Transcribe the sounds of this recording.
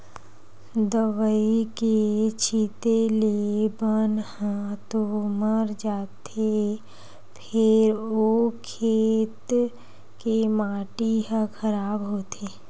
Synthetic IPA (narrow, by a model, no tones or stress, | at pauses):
d̪əʋəiket͡ʃʰit̪elebənhãt̪oməɾd͡ʒaːt̪ʰe | pʰɪɾokʰeːt̪ | kemãːʈiɦə̃kʰəɾaːbɦoːt̪ʰeː